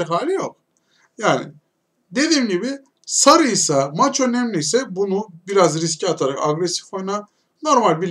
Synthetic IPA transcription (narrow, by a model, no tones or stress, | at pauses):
ɛɦaːlʲijo̞k̚ | jaːnɪ̰ | d̪e̞d̪iːmɟibi | saɾɯjsamat͡ʃø̞nɛmlʲijsɛbunubiɾazɾis̬ciat̪ʰaɾakaɡɾesi̥fo̞jna | no̞ɾmalʲbilʲ